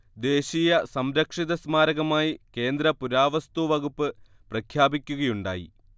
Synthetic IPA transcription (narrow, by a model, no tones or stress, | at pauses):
d̪e̞ːɕijɐsɐmɾɐkʂiðɐsmaːɾɐɣɐmaːjike̞ːnd̪ɾɐpuɾaːʋɐst̪uʋɐɣupːɨ | prɐkʰjaːbikʲːuɣɐjuɳɖa̰ːjḭ